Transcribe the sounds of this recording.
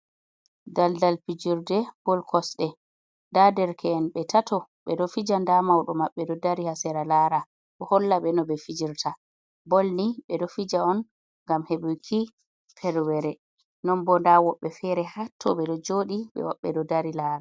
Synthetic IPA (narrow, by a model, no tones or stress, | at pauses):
daldalpid͡ʒiɾdɛb̥ɔlkʰɔsɗɛ | dadɛɾkʰɛːnɓɛtʰatʰɔɓɛɗɔfid͡ʒandamawɗɔmaɓːɛdɔdaɾihasɛɾalaɾa | ɗɔhɔlːaɓɛnɔbɛfid͡ʒiɾtʰa | bɔlniɓɛdɔfid͡ʒaɔn | ŋɡamheɓujkʰi | pʰɛɾwɛɾɛ | nɔnbɔndawɔɓːɛfɛɾɛhatʰːɔ̰ɓɛɗɔd͡ʒoɗiɓɛ̰wɔɓːɛɗɔdaɾilaːɾa